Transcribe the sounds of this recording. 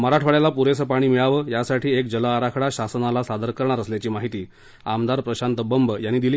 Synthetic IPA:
məɾaʈʰʋəɭjalapuɾesəpaɽ̃iːmiɭaʋəːjasaʈʰiːek̚d͡ʑəlaːɾakʰɽaɕasənalasad̪əɾkəɾɳ̃aɾəsljat͡ɕiːmaɦit̪iː | amd̪aɾpɾəɕant̪əbəmbəjanːiːd̪iliː

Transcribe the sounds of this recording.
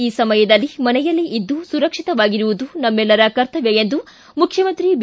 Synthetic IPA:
iːsɐmɐjɐd̪ɐlːimɐnɛjɐlːiʔid̪ːusuɾɐkʂit̪ɐʋaːɡiɾuʋud̪unɐmːɛlːɐɾɐkɐɾt̪ʰɐʋeend̪u | mukʰjɐmɐnt̪ɾib

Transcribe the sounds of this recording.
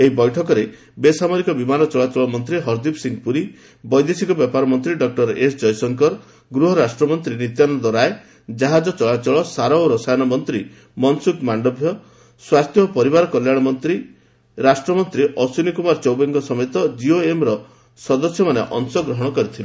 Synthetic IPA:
eɦibɔjʈʰɔkɔɾe | besamɔɾikɔbimanɔt͡ʃɔɭat͡ʃɔɭɔmɔnt̪ɾiɦɔɾd̪ipsiŋɡpuɾi | bɔjd̪esikɔbjɔpaɾɔmɔnt̪ɾiɖɔk̚ʈɔɾesd͡ʒɔjsɔŋkɔɾ | ɡɾuɦɔɾasʈɾɔmɔnt̪ɾinit̪janɔd̪wɔɾae | d͡ʒaɦad͡ʒɔt͡ʃɔɭat͡ʃɔɭɔsaɾɔwɾɔsajɔnɔmɔnt̪ɾi | mɔnsukmaɳɖɔbʱjɔ | swast̪jɔpɔɾibaɾɔkɔljaɽ̃ɔmɔnt̪ɾi | ɾasʈɾɔmɔnt̪ɾiʔɔsunikumaɾt͡ʃɔwbeŋɡɔsɔmet̪ɔd͡ʒioemɾɔ | sɔd̪ɔsjɔmaneʔɔŋsɔɡɾɔɦɔɽ̃ɔkɔɾit̪ʰile

